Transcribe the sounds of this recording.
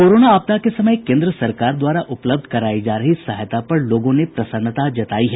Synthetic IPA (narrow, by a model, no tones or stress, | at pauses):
koːɾoːnaaːb̚t̪akesɐməjkẽːnd̪ɾəsɐɾkaːɾd̪waːɾaʔʊpləb̚d̪ʱkɐɾaːid͡ʒaːɾɐɦisaːɦjt̪apɐɾloːɡõnepɾɐsənːət̪ad͡ʒɐt̪a̰ːiɦɛ